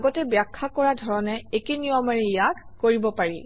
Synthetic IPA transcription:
ɡɔtɛbjakʰːakɔɹadʱɔɹɔnɛekenijɔmaɹijatkoɹibɔpaɹḭ

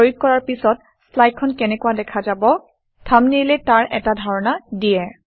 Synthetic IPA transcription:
ojuk̚kːɔɹaɹpisɔt | slaj̚kʰːɔnkɛnɛkuwadɛkʰazabɔ | tʰamnilɛtaɹʔɛ̰tadʱaɹɔnadijɛ

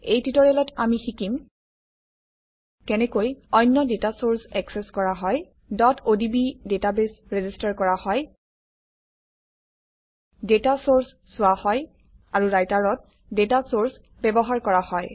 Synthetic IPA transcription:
ejtitɔɹɛlɔtamixikim | kɛnɛkojɔjnːɔdetasoɹsɛkseskɔɹaɦɔj | dɔtʰodibidetabesɹezistaɹkɔɹahɔj | detasoɹs | sʊwahɔj | aɹuɹajtaɹɔt̚ | detasoɹs | bɛbɔɦaɹkɔɹahɔj

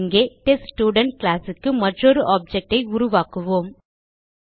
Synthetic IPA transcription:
ŋɡeːʈesʈjuːɖɐɳʈ̚klaːsɯkːɯmɐʈrɔɾɯʔaːp̚d͡ʒɛk̚ʈɐɪʊɾʊʋaːkɯʋoːm

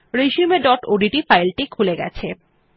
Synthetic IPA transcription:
ɾeʃumeɖɔʈoɖiʈifajlʈikʰuleɡɛ̰t͡ɕʰe

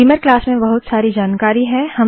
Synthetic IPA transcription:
iməɾklaːsmẽbɐɦʊt̪saːɾid͡ʒaːnkaːɾiɦɛ̃hɐm

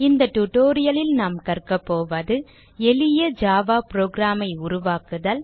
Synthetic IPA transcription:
ɪnd̪ɐʈʊʈoːɾɪjɐlɪlnaːmkɐrkɐpːoːʋɐðɯ | ɛlɪjɐd͡ʒaːʋaːpɾoːɡɾaːmɐɪʊɾʊʋaːkɯðɐl

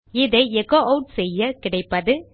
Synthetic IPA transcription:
ɪðɐɪɛkoʔɐʊʈ̚sɛjːɐkɪɽɐɪpːɐðɯ

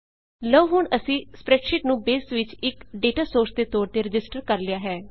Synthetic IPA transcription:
ləʋɦʊɳəsĩːspɾɛːʈʃɪʈnũːbeːsʋɪt͡ʃɪkɖeːʈaːsoːɾsd̪eːt̪oːɽt̪eːɾɪd͡ʒɪsʈəɾkəɾlɪjaːɦɛː

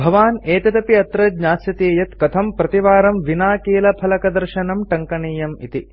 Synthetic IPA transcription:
bʱɐʋaːneːt̪ɐt̪ɐpiɐt̪ɾɐd̪ɲaːsjɐt̪eːjɐt̪kɐt̪ʰɐmpɾɐt̪iʋaːɾɐmʋinaːkeːlɐpʰɐlɐkɐd̪ɐɾʃɐnɐmʈɐŋkɐɳiːjɐmḭt̪i

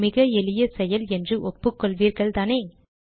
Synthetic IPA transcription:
mɪɣɐɛlɪjɐsɛjɐlɛndrɯʔɔpːɯkːɔɭʋiːɾɣɐɭt̪aːneː

